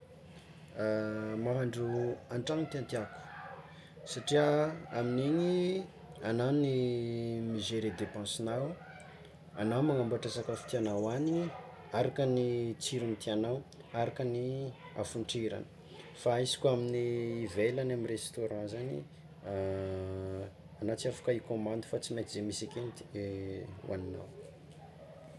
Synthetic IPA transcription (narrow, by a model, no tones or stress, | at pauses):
maɦaɳɖ͡ʐuaɳʈ͡ʂaŋit̪iant̪iaku̥ | saʈ͡ʂiəaminiɲi | anani | mizeɾed̪epɑ̃sinaw | anawmaŋambuaʈ͡ʂasakafi̥t̪ianawani | aɾakənit͡siɾunt̪ianaw | aɾakənia̰fuɳʈ͡ʂiɾa̰nə̥ | faizi̥kuaminiːvelanamirest̪oɾɑ̃zanḭ | anat͡safu̥kaikomãnd̪ufat͡simet̪izemisakent̪ | wʔa̰nina̰w